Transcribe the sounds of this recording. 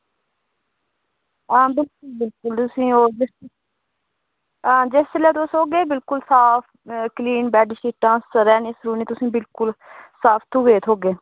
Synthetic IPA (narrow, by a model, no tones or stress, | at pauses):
ãːbɪlkʊlbɪlkʊlt̪ʊsĩːoːd͡ʒɪs | ãːd͡ʒeslɛːt̪osɦoːɡeːbɪlkʊlsaːpʰkliːnbɛːɖʃiːʈãːsəɾɛːneːsɾuːneːt̪ʊsĩːbɪlkʊlsaːpʰt̪ʰuːɡeːt̪ʰoːɡeː